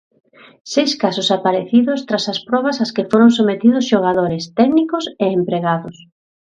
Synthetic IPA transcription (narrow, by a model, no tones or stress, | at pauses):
sejskasʊsapaɾeθiðʊst̪ɾasɐspɾɔβɐsɐskefoɾoŋs̬omet̪iðʊsʃoɣ̞aðoɾɪst̪ɛknikʊseempɾeɣaðʊs